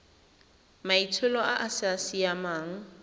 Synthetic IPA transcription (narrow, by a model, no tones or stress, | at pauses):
maitʰʊlɔʔaʔasɪasijamaːŋ̩